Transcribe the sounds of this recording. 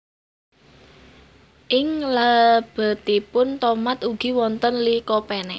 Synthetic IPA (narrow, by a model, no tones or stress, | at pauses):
ʔɪŋlab̥ə̤t̪ipʊnt̪ɔmat̪uɡ̥i̤wɔnt̪ənlikɔpɛnɛ